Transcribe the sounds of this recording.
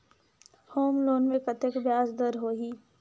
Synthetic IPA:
hoːmloːnmẽkɐt̪ekbjaːsd̪əɾɦoːɦiː

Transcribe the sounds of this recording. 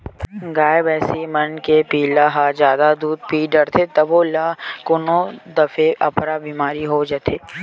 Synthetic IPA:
ɡaːjebɛːsimɐnkepiːlaɦaːd͡ʒjaːd̪ad̪uːd̪̚piːɖɐɾt̪ʰet̪ɐbolakʊnõd̪ɐfeʔɐpɾabiːmaːɾiɦod͡ʒət̪ʰeː

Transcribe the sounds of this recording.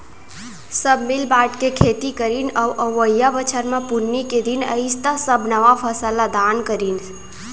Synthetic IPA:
səbmilbaʈkekʰet̪ikəɾinawʔəʋəjjabət͡ʃʰəɾmẽpunːiked̪inə̰ɪst̪asəbʱnəʋapʰəsəlad̪ankəɾin

